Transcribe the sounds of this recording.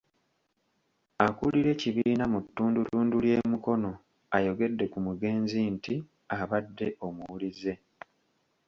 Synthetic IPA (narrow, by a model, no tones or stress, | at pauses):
akuliɾe̞ːciβiːnamutːuːndutuːndulje̞ːmuko̞no̞ | ajo̞ɡe̞dːe̞kumuɡe̞ːnzinti | aβadːe̞ʔo̞muwulize̞